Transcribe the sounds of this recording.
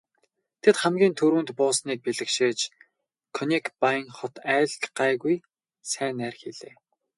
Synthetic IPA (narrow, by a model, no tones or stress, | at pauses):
t̪ʰet̪χæmɡʲiːnt̪ʰɵɾuːnt̪pʊːsniːk̚piɮɘ̆kʃeːt͡ɕ | kʰɔnikpajŋχɔt̪æːɮɮɢæːɣuj | sæːnæːrxiɮeː